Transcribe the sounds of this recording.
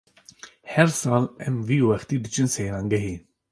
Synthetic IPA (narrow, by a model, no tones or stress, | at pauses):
hɛɾsɑːlɛmviːwɛxt̪iːd̪ɨt͡ʃɨnseːɾɑːŋɡɛɦiː